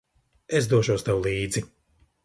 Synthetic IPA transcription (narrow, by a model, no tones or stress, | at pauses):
es̬d̪uɔʃuɔst̪awlˠiːd̪zi